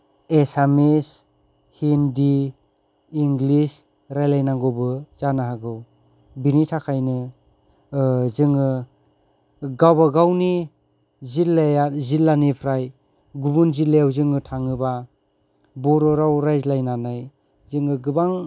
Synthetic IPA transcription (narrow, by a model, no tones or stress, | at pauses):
esames | hindiː | ŋɡlis | ɾajlajnaŋɡɔbɯz̥anaɦaɡɯw | binitʰakʰajnɯ | zɯŋɯ | ɡawbaɡawni | zilːjazilːanipʰɾaj | ɡubunzileawzɯŋɯtʰaŋɯba | bɔɾɔɾawɾajzlajnanaj | zɯŋɯɡɯbaŋ